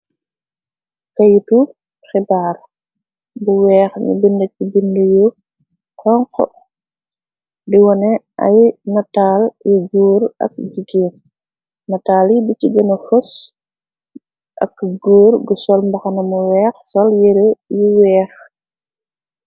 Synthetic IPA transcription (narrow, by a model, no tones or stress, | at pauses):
kɐjtu | xibaːr | buwɛːxɲṵbindɐcibindəju | hɔŋq | diwɔnɛʔɐ̰jnɐtaːljuɡuːɾɐ̰k̚d͡ʒiɡiːn | nɐtaːlibit͡ʃiɡɐnɐfɔs | ʔɐ̰kɡuːrɡusɔlmbɐxɐnɐmuwɛːxsɔljɛɾejuwɛːx